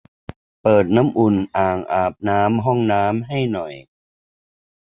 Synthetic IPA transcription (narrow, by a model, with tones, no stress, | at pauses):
pɤː˨˩t̪̚naː˦˥mʔu˨˩nʔaː˨˩ŋʔaː˨˩p̚naː˦˥mɦɔ˥˩ŋnaː˦˥mɦa˥˩jnɔ˨˩j